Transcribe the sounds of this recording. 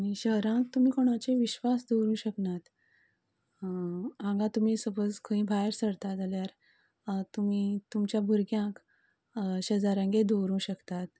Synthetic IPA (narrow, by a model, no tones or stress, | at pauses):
añiɕəɦɾãk̚t̪um̤ĩːkoɽ̃ãt͡ɕeʋiɕʋasd̪uɾũːɕəknat̪ | ãŋɡãt̪um̤iːsəbəd͡zkʰəĩːbʱajɾsəɽt̪at̪aljaɾ | t̪umiːt̪umt͡ɕjabʱuɾɡjãk | ɕəd͡zaɾãŋɡed̪uɾũːɕəkt̪at̪